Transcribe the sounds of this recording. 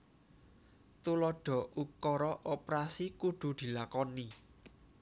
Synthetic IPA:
t̪ulɔɖ̥ɔ̤ʔukɔɾɔʔɔpɾasikuɖ̪̥ṳd̪̥i̤lakɔni

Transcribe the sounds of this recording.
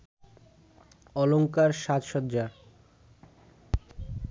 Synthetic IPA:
ɔloŋkaɾʃat̪ʃɔd̪d͡ʑa

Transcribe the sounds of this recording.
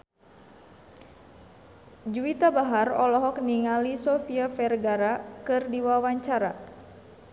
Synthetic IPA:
d͡ʒuit̪abaɦarɔlɔɦɔkniŋalisɔfiafɛrɡaɾakɨrdiwawaɲt͡ʃaɾa

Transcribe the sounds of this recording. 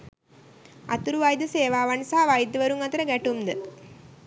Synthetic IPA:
a̰t̪uɾuʋajd̪əseːʋaːʋansaɦaʋajd̪əʋəɾuŋat̪əɾəɡæʈumd̪ə

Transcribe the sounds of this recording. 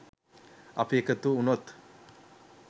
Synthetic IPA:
a̰piekət̪uunot̪

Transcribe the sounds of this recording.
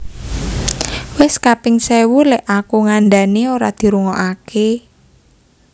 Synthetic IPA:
wɪskapɪŋsewulɛʔakuŋanɖanioɾa̰d̪̥i̤ɾuŋɔʔake

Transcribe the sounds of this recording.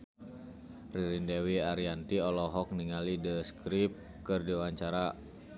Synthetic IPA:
riɾindewiaɾiant̪iɔlɔɦɔk̚niŋalidəskɾip̚ | kɨrdiwaɲt͡ʃaɾa

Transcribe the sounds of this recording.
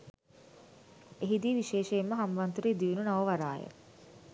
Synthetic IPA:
eɦid̪iːʋiʃeːʃeːmːəɦamʋant̪uɾeːd̪iʋinunaʋəʋaɾa̰ːjə̰

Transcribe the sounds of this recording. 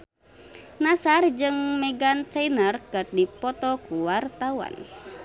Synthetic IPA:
nasard͡ʒɨŋmɛɡant͡ʃainərkɨrdipɔt̪ɔkuwart̪awa̰n

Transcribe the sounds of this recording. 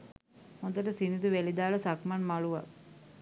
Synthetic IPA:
hõd̪əʈəsinid̪uʋelid̪aːɭəsakmanmaɭuʋa̰

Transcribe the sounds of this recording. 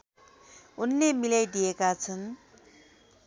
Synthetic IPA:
unːemilajd̪iekat͡sʰʌn

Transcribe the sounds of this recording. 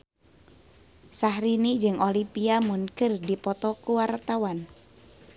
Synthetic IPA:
sahɾinid͡ʒɨŋolipiamunkɨrdipɔt̪ɔkuwart̪awan

